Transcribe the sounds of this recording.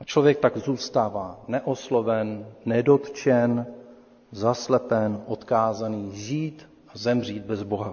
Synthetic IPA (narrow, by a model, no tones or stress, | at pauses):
ʔat͡ʃlo̞vjɛk̚t̪aɡzuːst̪aːvaːnɛʔoslo̞vɛnːɛdo̞t̪t͡ʃɛn | zaslɛpɛnʔo̞t̪kaːzaniːʒiːt̪ | ʔazɛmr̝iːd̪̚bɛzbo̞ɦa